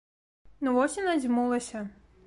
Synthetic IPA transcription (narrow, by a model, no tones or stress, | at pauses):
nuvɔsʲinazʲmulˠɐsʲɐ